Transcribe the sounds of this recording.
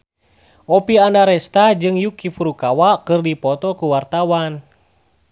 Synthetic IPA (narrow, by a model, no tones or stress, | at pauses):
ʔɔpiandaɾɛst̪ad͡ʒɨŋjukifuɾukawakɨrdipɔt̪ɔkuwart̪awan